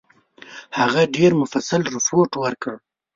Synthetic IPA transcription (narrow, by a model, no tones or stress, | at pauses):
haɣaɖeɾmʊfasalɾʊfoʈwəɾkəɽ